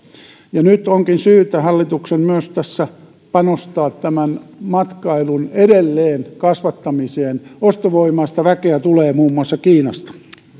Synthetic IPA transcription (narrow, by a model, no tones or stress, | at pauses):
jɑnyt̪oŋkinsyːt̪æhɑlːit̪uksemmyøst̪æsːæ | pɑnost̪ɑːt̪tæmænmɑt̪kɑilunedelːeːnkɑsʋɑt̪ːɑmiseːnost̪oʋoimɑːst̪ɑʋækeæt̪uleːmuːmːuɑsːɑkiːnɑst̪ɑ̥